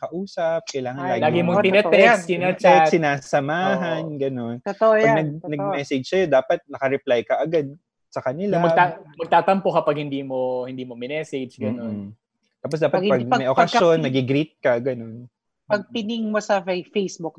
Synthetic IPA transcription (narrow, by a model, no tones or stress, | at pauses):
kɐʔuːsɐp̚kɐjlaːŋɐnlaːɡlaːɡɪmot̪ɪnɛt̪ɛst̪ɪnɐt͡ʃɛsɪnaːsɐmaːɦɐnɡɐno̞nt̪ot̪oʔojɐɡnɐɡ̚nɐmɛsɛd͡ʒsɐjod̪aːpɐt̪̚nɐkɐɾɛplajkɐʔɐɡad̪̚ | sɐkɐnɪlamɐɡ̪̚amɐɡ̚t̪aːt̪ɐmpo̞kɐpɐɡ̚hɪnd̪iːmo̞hɪnd̪iːmomɪnɛːsɛd͡ʒɡɐno̞n | t̪aːpos̬d̪aːpɐɡɐɡ̚ɐmɛjʔokɐʃo̞nnɐɡɪɡɾit̪̚kɐɡɐno̞n | pɐɡ̚pɪnɪŋmosɐfɐjfejsbuk̚